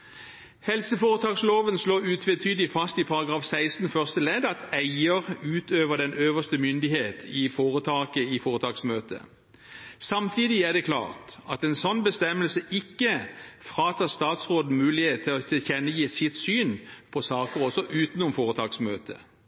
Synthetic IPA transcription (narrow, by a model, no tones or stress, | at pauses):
hɛlsəfoːʁət̪ʰɑːksloːʋənsloːʉːt̪ʰʋɛt̪ʰyːd̪lɪfɑst̪ɪpʰɑʁɑɡʁɑːfsæɪst̪n̩fœʁst̪əlɛd̪ɑt̪æɪəʁʉːt̪ʰøːʋəd̪ɛnʔøːʋəst̪əmʏnd̪ɪheːt̪ʰɪfoːʁət̪ʰɑːkəɪfoːʁət̪ʰɑːksmøːt̪ə̰ | sɑmt̪ʰiːd̪ɪæd̪ɛkʰlɑ̰ːʁt̪ɑt̪ɛnsɔnbəst̪ɛməlsəʔɪkːəfʁɑːt̪ʰɑːst̪ɑːt̪sʁoːd̪n̩mʉːlɪheːt̪̚t̪ʰːɪlɔt̪ʰɪlçɛnːəjiːsɪt̪syːnpʰɔsɑːkəʁɔsɔʔʉːt̪nʊmfoːʁət̪ʰɑːksmøːt̪ʰə̰